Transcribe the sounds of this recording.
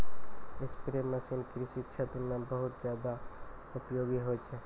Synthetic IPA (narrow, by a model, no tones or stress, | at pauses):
ɪspɾemːɐsinkiɾiʃɪtːʃʰat̪umẽbɐɦʊt̪zjaːd̪a | ʊpjoːɡiɦoːt͡ʃʰe